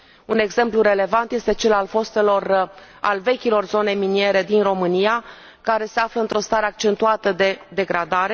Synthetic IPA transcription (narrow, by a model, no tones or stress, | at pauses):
une̞ɡze̞mpluɾe̞le̞vant̪je̞st̪e̞t͡ʃe̞lalfo̞st̪elora̰lve̞kʲilo̞rzo̞ne̞minje̞ɾe̞d̪inro̞mɨnija | kaɾe̞se̞afləɨnt̪ɾo̞st̪aɾeak̚t͡ʃe̞nt̪uat̪əd̪e̞d̪e̞ɡɾad̪aɾe̞